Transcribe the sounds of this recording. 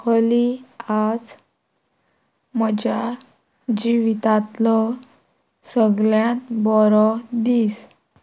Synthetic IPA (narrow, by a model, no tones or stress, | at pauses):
kəliad͡z | məd͡ʑa | d͡ʑiʋit̪at̪lɔ | səɡljãt̪bɔɾɔd̪iːs